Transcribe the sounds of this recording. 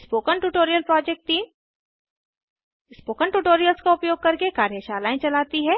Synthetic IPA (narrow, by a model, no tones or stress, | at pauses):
spoːkənʈuʈoːɾijəlpɾɔːd͡ʒɛk̚ʈi | spoːkənʈuʈoːɾijəlskaʊpjoːɡ̚kɐɾkekaːɾjəʃaːlaːẽt͡ʃɐlaːt̪iɦɛ